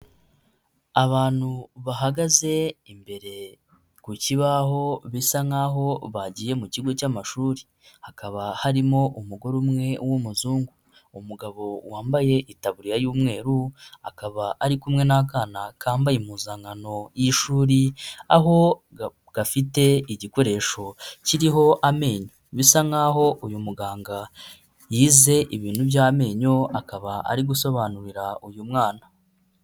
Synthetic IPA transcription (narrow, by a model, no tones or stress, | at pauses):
aβaːn̥huβaɦaɡaze̞imbe̞ɾe̞ | kuciβaɦo̞βisaŋaːɦo̞βaɟije̞muciɡo̞camaʃuːɾi | hakaβahaɾimo̞ʔumuɡo̞ɾumŋe̞wumuzuːŋɡu | umuɡaβo̞waːmbaje̞ʔitaβuɾijajuːmŋe̞ːɾua̰kaβaʔaɾikumŋe̞nakanakʰaːmbajimuːzaŋano̞jiʃuːɾiaɦo̞ | ɡ̥afite̞iɟiko̞ɾe̞ːʃo̞ciɾiɦo̞ʔame̞ːɲoβisaŋaɦo̞ʔujumuɡaːŋɡa | jiːze̞ʔiβiːn̥hubjaːme̞ːɲo̞akaβaa̰ɾiɡuso̞βaːnuɾiɾaujumŋaːna